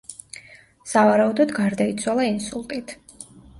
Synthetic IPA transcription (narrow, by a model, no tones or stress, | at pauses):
savaɾaud̪ɔd̪ɡaɾd̪ait̪sʰwalˠainsulˠt̪ʼit̪ʰ